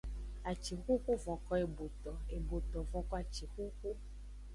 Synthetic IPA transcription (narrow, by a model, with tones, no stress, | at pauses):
a˨t͡ʃi˨xu˦ku˦vɔ̃˨kɔ˦e˨bo˨t̪ɔ˨e˨bo˨t̪ɔ̃˨vɔ̃˨kɔ˦a˨t͡ʃi˨xu˦ku˦